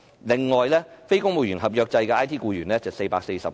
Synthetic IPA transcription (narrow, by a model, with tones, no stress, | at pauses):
lɪ˨ŋːɔː˨jlɛː˥fe˥jkʊ˥ŋmo˨˧wjyː˨˩nɦɐ˨p̚jœː˧k̚t͡sɐ˧jkɛː˧aː˥jt̪ʰiː˥kuː˧jyː˨˩nɛː˥t͡sɐ˨˩wse˧jpaː˧kse˧jsɐ˨p̚